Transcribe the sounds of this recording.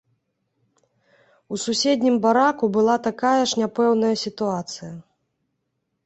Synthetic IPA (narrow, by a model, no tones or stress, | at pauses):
ususʲed̪ʲnʲimbaɾakubɨlˠat̪akajɐʂnʲapɛwnɐjɐsʲit̪uat̪sɨjɐ